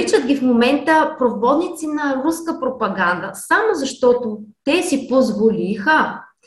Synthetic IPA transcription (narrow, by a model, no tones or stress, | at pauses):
it͡ʃəd̪ɡʲifmomɛnt̪əpɾovvɔd̪nit̪sinɐɾuskəpɾopɐɡand̪əsamozɐʃt̪ɔt̪ʊt̪ɛsipozvolʲixə